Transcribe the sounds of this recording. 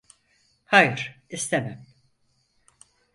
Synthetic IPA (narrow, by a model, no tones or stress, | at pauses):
hajɯɾ̥ist̪ʰemæm